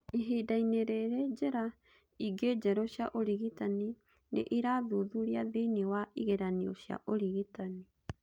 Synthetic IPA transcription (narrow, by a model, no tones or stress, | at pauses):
iɦidaineɾeɾed͡ʒeɾa | iɡed͡ʒɛɾɔɕjaʔoɾiɣitani | nʔeʔiɾaðuðuɾiaðiniwaiɣeɾaniɔɕja̰ʔoɾiɣitani